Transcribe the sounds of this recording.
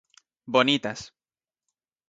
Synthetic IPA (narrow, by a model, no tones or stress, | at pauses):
bonit̪as